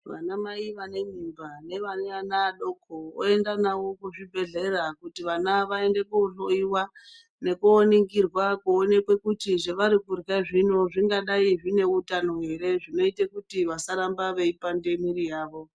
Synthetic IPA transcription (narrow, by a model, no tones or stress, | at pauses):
ʋa̰namaiʋane̞mimbane̞ʋaneanaːɗo̞kʰoo̰e̞ndanawo̞kuʐibʱe̞ɮe̞ɾakutiʋanaʋae̞nde̞kuɬoiwa | ne̞kuoniŋɡirwakuone̞kwe̞kutiʐeʋaɾikurɡaʐino̞ʐiŋɡaɗaiʐine̞utano̞ɦe̞ɾe̞ʐino̞itekutiʋasaɾambaʋe̞ipande̞miɾijaːʋo̞